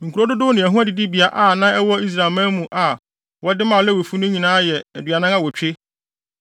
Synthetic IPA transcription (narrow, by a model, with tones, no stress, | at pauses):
ŋ̩˨kʰu˨ɾo˦dʊ˦dʊ˦nɪ̃˨æ˨ɦũ˦æ˦dɪ˨dɪ˦bi˨a˦ʔa˨nã˦ɛ˦wɔ˦i˦s̬ɾa˨mã˦mũ˨ʔa˨ | wɔ˦dɪ˦mã˨lɛ˦we˨fu˦nʊ̃˦ɲĩ˨nãː˦jɛ˨æ˨dɥa˨nã˦ŋa˦wɔ˨t͡ɕᶣe˦